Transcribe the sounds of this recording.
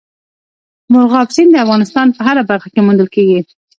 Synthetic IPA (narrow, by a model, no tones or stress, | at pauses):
mʊɾɣɑbsind̪əafɣɑnɪst̪ɑnpəɦaɾabaɾxakemund̪əlkeɡi